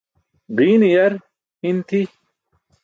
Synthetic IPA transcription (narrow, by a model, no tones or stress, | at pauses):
ɡiːnijɐɾ | hint̪ʰi